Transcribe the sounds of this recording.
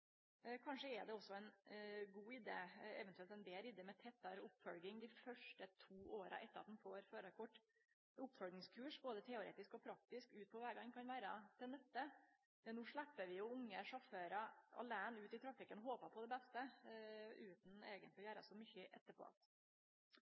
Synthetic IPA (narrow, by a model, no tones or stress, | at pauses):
kʰɑnʂəɛɖɛɔsːɔɛnɡuːɪd̪ḛːɛʋɛnt̪ʉɛlt̪ɛnd̪eːlɪd̪eːmɛt̪ʰɛt̪ːɑɾʊpːfɔlɡɪŋd̪ɪfœʂʈət̪ʰuːʔoːɾə̰ʔɛt̪ːəɾɑt̪̚d̪ɛn̩foːɾføːɾəkʰɔʈː | ʊpːfœlɡnɪŋskʰʉːʂboːd̪ət̪ʰɛʊɾḛːt̪ɪskɔpʰɾɑk̚t̪ɪskʉːt̪̚pʰɔʋæːɡɑŋːkʰɑnʋæːɾɑt̪ʰɪlnɛst̪ːə | ɛnuːʂɭæpːəʋɪjʊʊŋːəʂɔføːɾɑɑ̰læːnʉːt̪ɪt̪ʰɾɑfɪkːənɦoːpəpʰɔd̪ɛbɛst̪ə | ʉːt̪n̩eːɡənt̪lɪjæːɾɑ̰sɔmʏçəʔɛ̰t̪ːəɾpʰɔ̰ɑ̰t̪